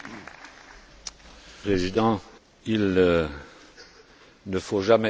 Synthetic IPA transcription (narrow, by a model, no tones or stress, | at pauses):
ʁezid̪ɑ̃ | il | nəfoʒamɛ